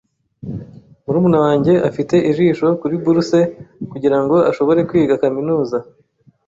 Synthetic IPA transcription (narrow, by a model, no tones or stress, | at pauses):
muɾuːmunawaːɲɟe̞ʔafite̞ʔiʒiːʃo̞kuɾibuɾuse̞kuɟiɾaŋɡo̞aʃo̞βo̞ɾe̞kwiːɡakaminuːza